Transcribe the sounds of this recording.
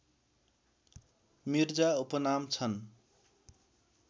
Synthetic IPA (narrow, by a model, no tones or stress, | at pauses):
mird͡zaupʌnamt͡sʰʌn